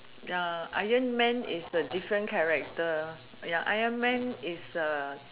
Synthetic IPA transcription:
jaa̰jə̃nmɛ̃nḭsədifɹə̃nkʰɛɹɛk̚tə | jaʔajə̃nmɛ̃nisə

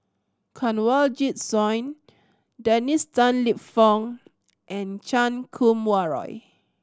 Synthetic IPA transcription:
kʰɔ̃nwald͡ʒit̚sɔ̃jn | dɛnistãnlipfɔ̃ŋ | ʔɛ̃nt͡ʃãnkʰũmwaɹɔ̰j

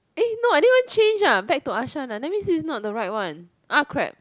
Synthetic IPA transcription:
enoãnivə̃nt͡ʃẽnd͡ʒabɛk̚tuaʃãnadɛmĩnsisnɔt̚dəɹaɪt̚wãn | ʔakʰɹɛ̰p̚

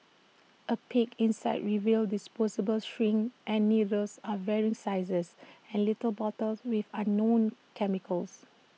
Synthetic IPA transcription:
ʔəpʰikĩnsaɪdɹivildisposəbəlʃɹĩŋʔɛ̃nːidəsavɛɹĩŋsaɪzəsɛ̃nlitəlbɔtəlswiθãnːõnkʰɛmikʰəls

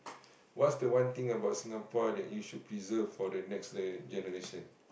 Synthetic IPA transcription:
wɔtsdəwãnt̪ĩŋəbawt̚sĩŋapɔdɛ̰ʔjuʃud̚pʰɹizəvfɔdənɛksd͡ʒɛnəɹeʃə̃n

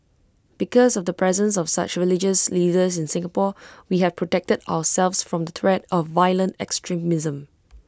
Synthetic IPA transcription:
b̥ikɔsɔvdəpʰɹɛzə̃ns̬ɔfsa̰t͡ʃɹilɪd͡ʒəsliːdəsɪ̃nsɪ̃ŋəpɔwihɛv̥pʰɹɔtɛk̚təda̰wəsɛlvsfɹɔ̃md̪ət̪ʰɹɛdɔvːaɪlə̃ntɛ̰kstʰɹimɪzə̃m

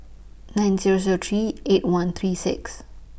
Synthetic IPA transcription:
nãj̃nziɹoziot̪ʰɹietwãnt̪ʰɹisɪ̰ks

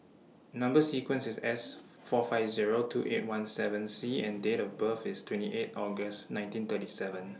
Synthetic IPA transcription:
nãmbəsikwə̃nsɪsɛs | fɔfaɪvziɹotʰṵʔet̚wãnsɛvə̃nsiɛ̃ndetɔfbəfɪstʰwɛ̃ntiʔetɔɡəsnãɪ̃ntĩnt̪ətisɛvə̃n

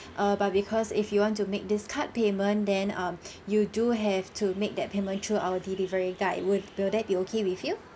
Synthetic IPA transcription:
ʔabat̚bikʰɔsifjuwɔ̃ntumek̚dɪskʰat̚pemə̃ndɛ̃nʌ̃mjuduɦɛvtʰumek̚dɛt̚pʰemə̃ntʰɹuawədilivəɹiɡaɪwɪwɪldɛt̚biokʰewifju

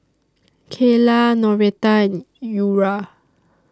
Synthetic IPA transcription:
kʰelanɔɹet̪ãn | juɹa

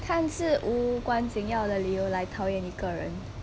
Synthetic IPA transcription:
kʰant͡sɹ̩ʔukwant͡ɕiŋjɑʊd̪əlijoʊlaɪt̪ʰɑʊjɛniɡəɻə̰n

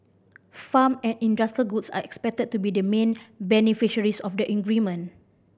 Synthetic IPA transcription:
famɛ̃nĩndastəlɡutsa̰ɛkspɛk̚təd̚tubidəmẽnbɛnifiʃəɹisɔfdəʔɛ̃ŋɡɹimə̃n

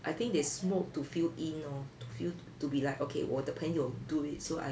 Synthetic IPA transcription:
ʔajt̪ĩŋk̚dɛssmok̚tufilĩnɔtufil | tubilaɪkokʰḛwɔ̰təpʰɛ̃njuduit̚soa̰

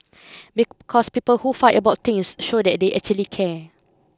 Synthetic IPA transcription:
bikʰɔspipəlhufajtəbaʊt̚t̪ɪ̃ŋsʃodɛt̚deʔɛk̚t͡ʃuəlikʰɛ

